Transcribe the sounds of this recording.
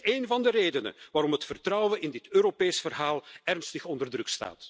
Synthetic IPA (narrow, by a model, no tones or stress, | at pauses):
eːnvɑndəreːdənə̰ʋaːɾɔmɦətfərtrʌwənɪndɪtøːɾopeːsfərɦaːlˠɛrnstəxɔndərdrɵksta̰ːt